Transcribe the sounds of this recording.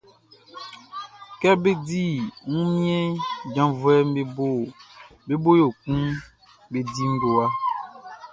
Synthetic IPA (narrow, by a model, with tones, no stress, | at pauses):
kɛ˦be˦di˦˨ŋũ˦mĩ˦ɛ˦d͡ʒã˨˦vwɛ˦m˦be˦bo˦˨ | be˦bo˦jo˨k͡pũ˦ | be˨di˦ŋ̩˦bo˨a˦